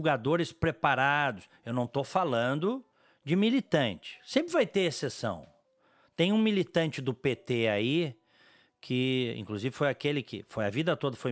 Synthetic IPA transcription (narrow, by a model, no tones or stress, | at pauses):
uɡad̪oɾɪspɾepaɾad̪ʊs | ewnɐ̃w̃t̪ofalɐ̃nd̪ʊ | d͡ʒɪmilit̪ɐ̃nt͡ʃɪ̥sẽmpɾɪvajt̪eɾesesɐ̰̃w̃ | t̪ẽj̃ũmilit̪ɐ̃nt͡ʃɪd̪ʊpet̪eai | kʰɪḭ̃ŋkluzivɪfojakelɪkɪ̰fojɐvid̪ɐt̪od̪ɐfoj